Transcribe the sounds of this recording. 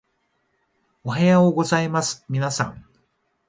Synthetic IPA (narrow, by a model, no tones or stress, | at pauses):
oɦajaoɡo̞zaimasɨ̥mʲinasã̰ŋ